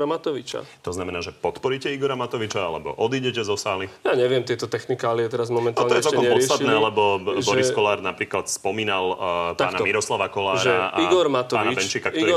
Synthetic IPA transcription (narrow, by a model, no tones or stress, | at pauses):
amat̪ɔʋit͡ʃa̰t̪ɔznamɛnaːʒɛpɔt̪pɔɾiːcɛiɡɔɾamat̪ɔʋit͡ʃaalɛ̰bɔ̰ʔɔd̪iːɟɛcɛzɔsaːlijaːɲɛʋɪɛmt̪ɪɛt̪ɔt̪ɛxnikaaliɛt̪ɛɾazmɔmɛnt̪alɲɔɛɔɛkɔɲɛpɔt͡st̪at̪nɛːlɛbɔʒbɔɾiskɔlaːɾnapɾiːklat̪spɔmiːnalp̪aːnamiɾɔslaʋakɔlaːɾaʔaiɡɔɾmat̪ɔaːnaibɛnt͡ʃiːkaktɔɾ